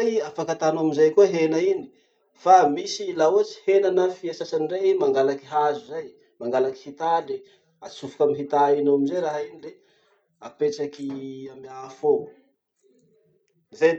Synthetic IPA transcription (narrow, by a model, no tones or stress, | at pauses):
ajafakat̪anoaminzajkuəɦenaini̥ | famisilaot͡si̥henanəfiasasaniremaŋɡalaki̥ɦazuzaj | maŋɡalaki̥hit̪ade | at͡sufu̥kamiɦit̪ainoaminzajɾaɦainile | apeʈ͡ʂakiamiafou | za